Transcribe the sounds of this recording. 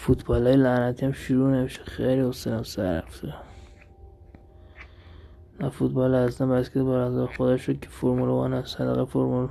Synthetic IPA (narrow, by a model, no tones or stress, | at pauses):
fut̪ʰbɒːlɒːjelænæt̪ʰiæmʃuɾuːnemiʃe̥xejliost̪elæmsæ̰ɾæ̰ft̪u | næfut̪̚bɑːlehæst̪æmbæskʲʰet̪bæɾæzæɾexod̪ɒʃod̪̚kʲʰefoɾmulovɑ̰ːnæsæd̪æɣæfoɾmul